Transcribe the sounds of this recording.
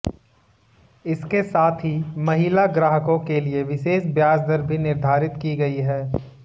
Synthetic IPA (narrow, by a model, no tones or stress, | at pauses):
ɪskesaːt̪ʰɦimɐɦilaɡɾaːɦəkõkelieʋɪʃeːʃbjaːsd̪ʱəɾbʱinɪɾd̪ʱaːɾɪt̪kiɡɐiɦɛː